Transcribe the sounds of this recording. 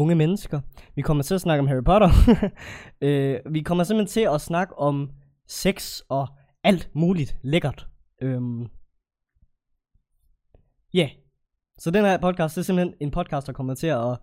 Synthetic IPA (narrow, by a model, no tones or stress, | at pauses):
oŋəmenəsɡ̥ɐʋikʰɒ̽m̰ɐt͡sʰe̝æsnɑ̈ɡ̥əɒmɦæʁipʰɒ̽ɾɐ | øʋikʰɒ̽m̰ɐse̝m̥l̥ent͡sʰe̝ɒ̽snɑ̈ɡ̥əʔɒ̽m | seɡ̥sɒ̽ | æl̰d̥muːlid̥leɡ̥ɐd̥ | ʔøm | jæ | sɒ̽d̥enæɐpʰɒ̽d̥̚ˠkʰɑ̈ːsd̥æɐsem̥l̩hene̝npʰɒ̽d̥̚kʰɑ̈ːsd̥ɑ̈kʰɒ̽mɐt͡sʰe̝ɒ